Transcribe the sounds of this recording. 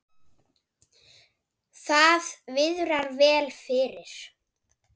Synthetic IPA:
θaðvɪðɾaɾvɛːlfɪɾɪɾ̥

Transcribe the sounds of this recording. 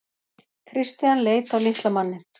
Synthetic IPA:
kʰɾɪst̪janleːjt̪awliht̪lamanːɪ

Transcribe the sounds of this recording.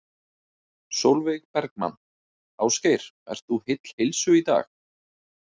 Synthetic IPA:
sowlvɪɣpɛɾkma̰nː | awskejɾ̥ | ɛ̰r̥t̪θuhɪt̪l̥hejlsʏit̪a̰ːx

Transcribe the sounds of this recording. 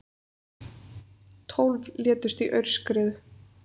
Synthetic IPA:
t̪ʰowlvlɛːt̪ʏst̪iʔœɥɾ̥skɾɪːðʏ

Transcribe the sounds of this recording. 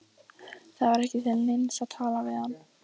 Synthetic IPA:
θaðvaɾɛhcɪθɛlnɪnsaðt̪ʰaːlavɪðhanː

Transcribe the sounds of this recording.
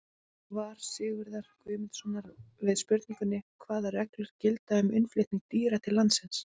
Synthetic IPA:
vaːɾ̥sɪːɣʏɾðaɾ̥kʰvʏːmɪt̪sɔnaɾvɪðspʏɾt̪niŋkʏnːɪkʰvaːðarɛklʏɾ̥cɪlt̪aʏmʏnfleht̪niŋk̚t̪iːɾat̪ʰɪlːant̪sɪns

